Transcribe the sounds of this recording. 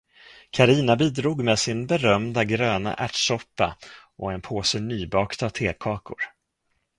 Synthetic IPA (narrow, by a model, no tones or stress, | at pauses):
kʰaɾiːnabiːd̪ɾuːɡmeːsɪnbɛɾœmd̪aɡɾøːna̰ʔæʈʂɔpːa̰ʔɔɛnpʰoːsənyːbɑːkt̪ʰat̪ʰeːkʰɑːkʊ̰ɾ